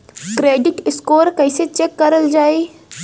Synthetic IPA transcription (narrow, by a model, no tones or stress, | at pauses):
kɾeːɖɪʈɪskoːɾkɐɪset͡ʃekːɐɾəld͡ʒaːeː